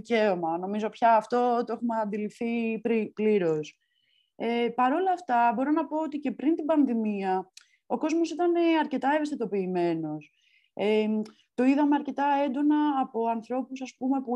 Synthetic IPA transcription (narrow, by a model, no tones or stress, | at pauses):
ice̞omɐno̞mizo̞pçɐːft̪o̞t̪o̞exumeɐnd̪ilifθipɾipliɾo̞s | epɐɾo̞lɐft̪ɐbo̞ɾonɐpo̞ot̪ice̞pɾint̪ibɐnðimiɐ | o̞ko̞zmo̞sit̪ɐne̞ɐɾce̞t̪ɐe̞vest̪et̪o̞piːme̞no̞s | e | t̪o̞iðɐme̞ɐɾce̞t̪ɐe̞nd̪o̞nɐːpo̞ɐnθɾo̞pusɐspume̞pu